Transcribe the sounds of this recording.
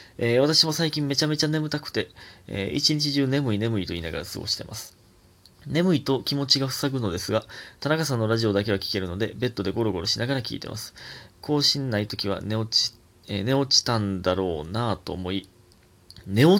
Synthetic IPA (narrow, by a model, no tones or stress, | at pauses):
eβat̪aɕimo̞saikʲĩmːe̞t͡ɕame̞t͡ɕane̞mɯ̟t̪akɯ̟̥t̪e̞̰ḭt͡ɕiɲ̟it͡ɕiʑɨːne̞mɯ̟ine̞mɯ̟it̪o̞ḭːnaɡa̰ɾasɨ̰ɡo̞̰ɕi̥t̪e̞mʔa̰sɨ̥ | ne̞mɯ̟it̪o̞kʲimo̞t͡ɕiɡaɸɯ̟̥saɡɯ̟no̞d̪e̞sɨɡat̪anakasãnːo̞ɾaʑio̞d̪ake̞βakʲi̥ke̞ɾɯ̟no̞d̪e̞be̞t̪ːo̞d̪e̞ɡo̞ɾo̞ɡo̞ɾo̞ɕinaɡaɾakʲḭːt̪e̞̰mʔa̰sɨ̥kʰo̞ːɕĩnːait̪o̞kʲiβ̞a̰ni̥ | ne̞o̞t͡ɕi̥t̪ãnd̪aɾo̞ːnat̪o̞̰ːmo̞i | ne̞o